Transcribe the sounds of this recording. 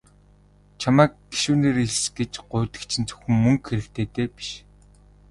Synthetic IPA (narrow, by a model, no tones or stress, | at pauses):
t͡ɕʰamæːk̚ɡi̥ʃuːneːɾiɮsɡ̥et͡ɕɢʊːt̪ɘ̥̆kt͡ɕʰĭnt͡sɵ̥xʲɘ̆mːɵŋkxeɾɘ̆kt̪ʰeːt̪eːpi̥ʃ